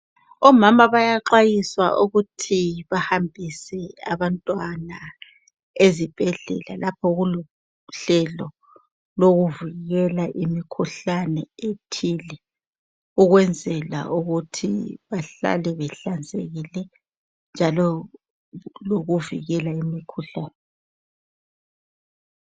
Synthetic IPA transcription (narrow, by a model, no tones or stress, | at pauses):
ɔmamaβajaǃajiswa̰ʔuɣutʰiβahambʱisɛa̰βantʼwana | ezib̥ʱɛɮɛ̰la̰lapʰɔɣulɔ | ɬɛlɔ | loɣuviɣɛlaʔimikʰuɬanɛetʰilɛ | uɣwɛnd͡zʱɛla̰uɣutʰḭβaɬa̰lɛβɛɬand͡zʱʼeɣilɛ | nd͡ʒʱalɔ | loɣuvḭɣɛlaimikʰuɬaːnɛ